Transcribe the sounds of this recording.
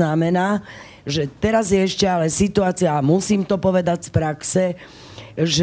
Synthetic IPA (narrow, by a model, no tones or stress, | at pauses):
namɛnaː | ʒɛt̪ɛɾazjɛɛʃcɛalɛsit̪uaːt͡siaːmusiːmt̪ɔpɔʋɛd̪aɟspɾaksɛ | ʒ